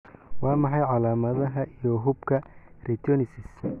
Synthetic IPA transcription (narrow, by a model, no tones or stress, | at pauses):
wɑːmɑħɑjʕɑlaːmɐðɐɦɐʔijɔɦʊbkʰɐrɛt̪ʰɔnɪsɪs